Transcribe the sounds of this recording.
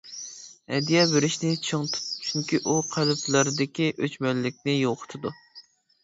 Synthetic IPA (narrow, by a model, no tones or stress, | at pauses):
ɛ̰d̪ijɑbeɾɪʃnɪt͡ʃʰɨŋt̪ʰu̥pt͡ʃʰyŋkʲiʔuqʰælɪpʰləɾɨd̪ɪkʲiʔøt͡ʃmɛlːɪk̚ʲnɪjoqʰʊ̥t̪ʰɨd̪u